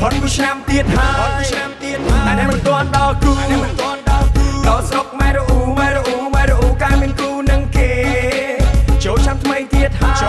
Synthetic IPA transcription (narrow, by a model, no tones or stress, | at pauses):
pʰot̪̚kit͡ɕʰnamt̪iət̪̚haənamt̪iət̪̚ːʔaɛnɛəmɨnt̪ŏənɗɑlkuːnɛmɨnt̪ŏənɗɑlkɑsɾok̚mɛːɾoʔuːmaːloʔuːmɛːloʔuːkaːmiənkuːnɨŋkeː | t͡ɕoːlt͡ɕʰnamt̪ʰməjt̪iət̪̚haː